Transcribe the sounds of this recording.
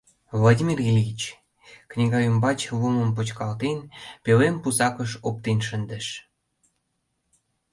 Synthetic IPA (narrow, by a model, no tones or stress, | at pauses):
vlˠadʲimirilʲit͡ɕ | knʲiɣɑjumbɑt͡ɕluməmp̬ut͡ɕkɑlt̪enpelempusɑkəʃop̚t̪enʃənd̪əʃ